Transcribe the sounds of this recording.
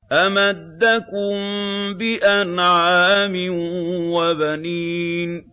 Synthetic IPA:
ʔamad̪ːakʊmbɪʔanʕaːmɪnwabaniːn

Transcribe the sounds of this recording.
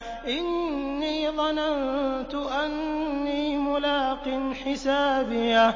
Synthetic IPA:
ʔɪnːiːðˤɑnant̪ʊʔanːiːmʊlaːqɪnħɪsaːbɪja

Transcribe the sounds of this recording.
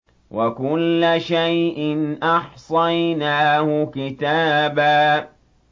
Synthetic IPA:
wakʊlːʃajʔɪnʔɑħsˤɑjnaːhʊkɪt̪aːbaː

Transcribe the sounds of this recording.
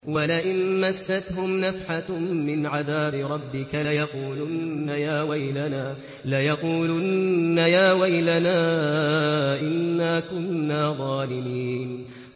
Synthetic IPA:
walaʔɪnmasːat̪ɦʊmnafħamɪnʕaðaːbɪɾˤɑbːɪkajɑquːlʊajaːwajlanaː | lajɑquːlʊnːajaːwajlanaː | ʔɪnːaːkʊnːaːðˤɑːlɪmiːn

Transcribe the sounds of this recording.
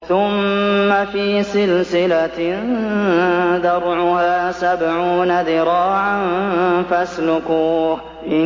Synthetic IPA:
θʊmːafiːsɪlsɪla | ðɑɾˤʕʊhaːsabʕuːnaðɪɾˤɑːʕanfaslʊkuːh | ʔɪ

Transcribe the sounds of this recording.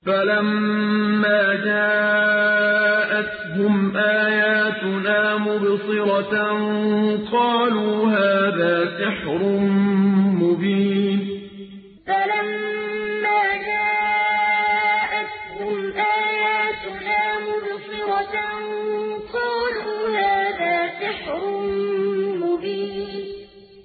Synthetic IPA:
falamː | aːd͡ʒaː | ʔat̪ɦʊmʔaːjaːt̪ʊnaːmʊbsˤɨɾɑ | qɑːluːhaːðaːsɪħɾʊ | mʊbiːn | falamː | aːd͡ʒaːʔ | ʔat̪hʊmʔaːjaːt̪naːmʊbsˤɨɾˤɑ | qɑːluːhaːðaːsɪħɾʊnmʊbiːn

